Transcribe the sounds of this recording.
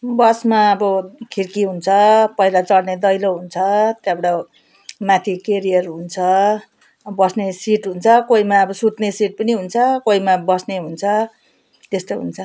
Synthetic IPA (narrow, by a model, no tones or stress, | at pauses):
bʌsmaʌbʌkʰirkiɦunt͡sʰʌpʌilat͡sʌɽned̪ʌjloɦunt͡sʰʌt̪jabɽa | mãt̪ʰikeɾijʌrɦunt͡sʰʌ | bʌsnesiʈɦunt͡sʰʌkoimaːbʌsut̪nesiʈ̚pʌniɦunt͡sʰʌkoimabʌsneɦunt͡sʰʌ | t̪est̪oɦṵnt͡sʰʌ